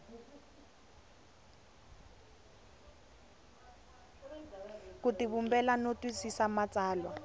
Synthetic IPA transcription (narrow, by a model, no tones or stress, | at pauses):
kutiβumbɛlanotwisisamat͡sʼaːlwa